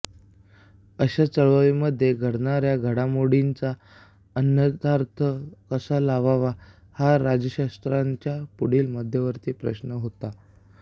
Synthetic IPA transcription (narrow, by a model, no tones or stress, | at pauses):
əɕat͡səɭʋəʋiməd̪ʱːjeɡʱəɽɳaɾjaɡʱəɽamoɽint͡sa | ənjət̪aɾt̪ʰəkəsalaʋaʋa | haɾad͡ʑəɕast̪ɾaɲt͡ɕjapuɽ̤iːlməd̪ʱjəʋəɾt̪iːpɾə̰ɕnəɦot̪a